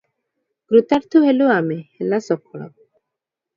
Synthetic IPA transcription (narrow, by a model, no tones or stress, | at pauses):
kɾut̪aɾt̪ʰuɦeluamehelasɔkʰːɔɽ̃ɔ̰